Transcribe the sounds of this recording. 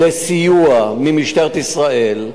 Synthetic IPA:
esijuamimiʃt̪eʁt̪isʁael

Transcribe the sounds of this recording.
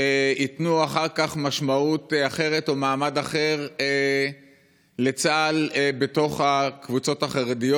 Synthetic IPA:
eitnuaχaʁkaχmaʃmautaχe̞ʁe̞to̞maːmadaχe̞ʁe | le̞t͡saːlebe̞to̞χhakvut͡so̞taχaʁedijo

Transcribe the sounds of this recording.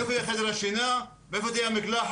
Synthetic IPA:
efoijaχed̪eɾaʃina | veefot̪̬ijamiklaħ

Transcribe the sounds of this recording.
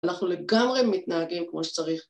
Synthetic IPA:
naχnule̞ɡamʁemit̪naaɡimkmo̞ʃe̥t͡saʁiχ

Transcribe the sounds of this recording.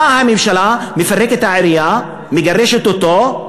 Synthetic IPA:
ahamimʃalamefaʁeket̪haʕaɾija | meɡaʁeʃet̪ot̪o

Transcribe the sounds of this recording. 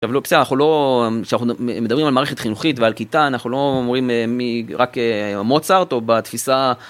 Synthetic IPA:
ʃavlobe̥sedanaχulo̞ʃenaχumedabʁimalmaːʁeχet̪χinuχit̪vealkit̪aːnaχulo̞mʁimmiʁakeamo̞t͡saʁt̪o̞bat̪fisa

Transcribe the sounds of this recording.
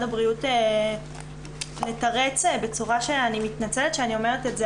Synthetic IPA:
dabʁiute | le̞tɐʁet͡sbe̞t͡suʁaʃeanimitnat͡seletʃeanio̞meʁeteze

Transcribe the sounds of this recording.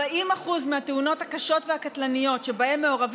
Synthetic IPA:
aʔimaχuzmehateuno̞t̪hakaʃo̞tveakat̪lanijo̞tʃe̞bae̞mːe̞o̞ʁav

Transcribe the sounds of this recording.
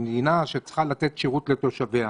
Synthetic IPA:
md̪inaʃet͡sχalat̪et̪ʃeʁutle̞t̪o̞ʃavea

